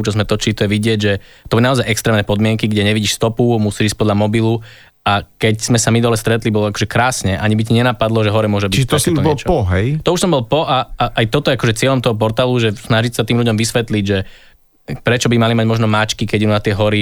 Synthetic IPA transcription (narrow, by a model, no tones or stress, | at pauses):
ut͡ʃɔzmɛt̪ɔt͡ʃilit̪ɔjɛʋiɟɪɛɟʒɛt̪ɔbunaɔzajʔɛkst̪ɾɛːmnɛpɔd̪mɪɛŋkiɡɟɛɲɛʋiɟiːʃst̪ɔpumusiːʒiʃ̚pɔd̪ʎamɔbilu | akɛcz̥mɛsamid̪ɔlɛst̪ɾɛt̪libɔlɔakɔ̥ʒɛkɾaːsɲɛʔaɲibic̬iɲɛnapad̪lɔʒɛɦɔɾɛmʊɔʒɛbiiʒt̪sɛɔɲbɔɛlɛt͡ʃɔpɔɦɛjt̪ɔuʃsɔmbɔlˠpɔʔaʔajt̪ɔt̪ɔjɛakɔʒɛt͡sɪɛʎɔmt̪ɔɦɔp̬ɔɾt̪aːluʒɛsnaʒicsat̪iːmʎuɟɔmʋisʋɛt̪liɟʒɛ | pɾɛt͡ʃɔbimalimaɟmɔʒnɔmat͡ʃkikɛɟɛunat̪ɪɛɦɔɾi